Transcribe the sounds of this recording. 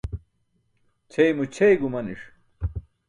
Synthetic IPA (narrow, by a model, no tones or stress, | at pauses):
t͡ɕʰejmut͡ɕʰejɡumɐnḭʂ